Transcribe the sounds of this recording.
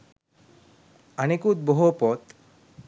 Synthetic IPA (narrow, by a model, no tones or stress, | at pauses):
anekut̪̚boɦopɔt̪